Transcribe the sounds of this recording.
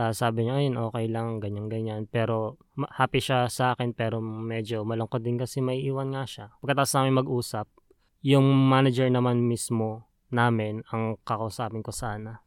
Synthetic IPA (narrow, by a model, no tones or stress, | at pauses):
ɐsaːbɪɲoʔɐjonʔo̞ːkɛjlɐŋŋɡɐɲanɡɐɲanpɛːɾo̞ | mɐhaːpiʃasɐʔaːkɛnpɛːɾo̞mɛd͡ʒo̞mɐloŋkot̪̚d̪ɪnkɐsɛmɐʔiʔiːwɐnŋaʃapɐɡ̚kɐt̪aːʔosnaːmɪnmɐɡʔuːsɐp̚ | jʊŋmaːnɐd͡ʒɛɹnɐmanmismo̞ | naːmɪnɐŋkɐkɐʔusaːpɪnko̞saːnɐ